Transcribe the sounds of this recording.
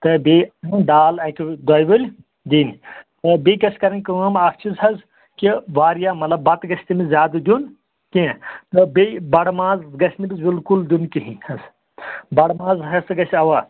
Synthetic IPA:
t̪ɐbed̪aːlɐkʲʰid̪ɔːjʋɨlʲ | d̪iːnt̪ɐbekɐsʰʲkɐɾɐnʲkɐʋɐmɐkʰt͡ʃʰizɦɐz | kiʋaːɾjaːmɐt̪lɐbːɐt̪ɡɐsʰʲt̪imizʲaːd̪ɨd̪ʲjun | kit̪ɐbibɐɽmãːzɡɐsʰʲnibizbilkuld̪ʲunkiɦĩhɐz | bɐɽmãːzɦɐsɡɐsʲɐʋa

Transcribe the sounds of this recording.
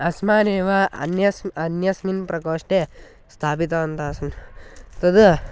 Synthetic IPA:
ɐsmaːneːʋaɐ̰njɐsmɐnjɐsminpɾɐkoːʂʈe | st̪ʰaːpit̪̬ɐɐnt̪aːsɐnt̪ɐd̪u

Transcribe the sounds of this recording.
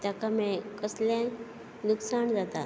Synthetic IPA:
t̪jakamɛ̃kəslã | nuksaɳd͡zat̪a

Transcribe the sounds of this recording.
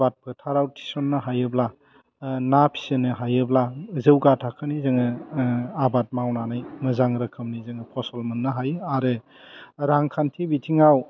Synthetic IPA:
bat̚pʰɯtʰaɾawtʰi̥sɔnːɯɦajɯbla | napʰi̥senɯɦajɯblazɯwɡatʰakʰɯnizɯŋɯ | abat̚mawnanajmɯzaŋɾɐkʰɯmnizɯŋɯpʰɔsɔlmɯnːɯɦajaɾɯ | ɾaŋkʰantʰibitʰiŋaw

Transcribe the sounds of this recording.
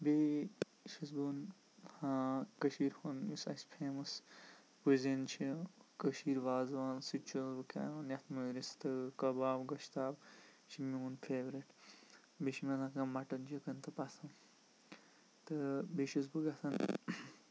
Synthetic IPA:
be | ʃis̬bun | hãːkɐʃiːɾhunmisɐsʲpʰeːmɐs | kuzʲint͡ʃʰikɐʃiːɾʋaːzʋaːnsit͡ʃʰuzbɨkʲa̰ːʋaːnjɐt̪ʰmuɾist̪ɨkɐbaːbɡɐʃt̪aːb | t͡ʃʰimiunpʰeːʋɾiʈ | beʃimɐnɐ̃kɐmɐʈɐnd͡ʒikɐnt̪ɨpɐsʰɐn | t̪ɨbeʃis̬bɨɡɐt̪ʰɐn

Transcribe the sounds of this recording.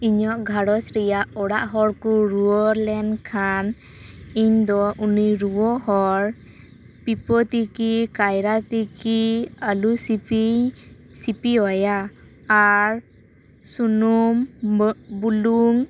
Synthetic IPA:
iɲɔʔɡʱaɽɔsɾɛjaʔɔɽaʔɦɔɾkuɾuɔɾlɛnkʰan | iɲd̪ɔʔuniɾuwɔɦɔɾ | pipɔt̪ikikajɾat̪ikialusii | sipiɔjaː | ɾ | sunum | buluŋ

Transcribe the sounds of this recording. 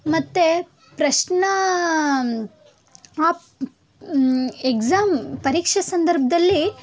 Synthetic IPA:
mɐt̪ːe | pɾɐʃɳɐ | aː | ekzaːmpɐɾiːkʂɐsɐnd̪ɐɾbʱɐd̪ɐlːi

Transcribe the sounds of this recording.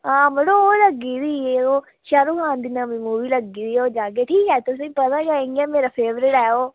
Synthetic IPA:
ɦãːməɽooːləɡiːɾiːeːoː | ʃaːɾuːkãːnd̪ɪnãmĩːmuːʋiːləɡiːɾiːoːd͡ʒaːk̬eːʈʰiːkɛːt̪ʊs̬ĩːpət̪aːd͡ʒaẽŋɡɛːmeːɾaːpʰeːʋɾɪʈɛːoː

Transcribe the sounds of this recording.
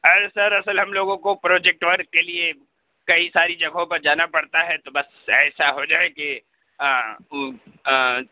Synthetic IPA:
ɐsɐɾɐsəlɦɐmloːɡõkopɾɔːd͡ʒɛk̚ʈʋɐɾkkelie | kɐisaːɾid͡ʒɐɡʱõpɐɾd͡ʒaːnapɐɽt̪aɦɛt̪obɐs | ɛːsaɦod͡ʒaːeke

